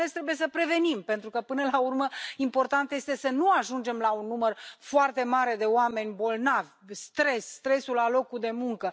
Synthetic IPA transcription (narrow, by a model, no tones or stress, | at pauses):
est̪ɾebujes̬əpɾe̞ve̞nimpe̞nt̪ɾukəpɨnəlaurməimpo̞rt̪ant̪je̞st̪e̞sənuaʒund͡ʒe̞mlaunːumərfoart̪e̞maɾe̞d̪e̞oame̞nʲbo̞lnavʲst̪ɾe̞sːt̪ɾe̞sulalo̞kud̪e̞muŋkə